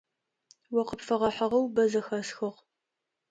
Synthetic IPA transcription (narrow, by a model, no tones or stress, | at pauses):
wɔqəpfɐʁɐħɐʁɐwbɐzɐxɐsxɨʁ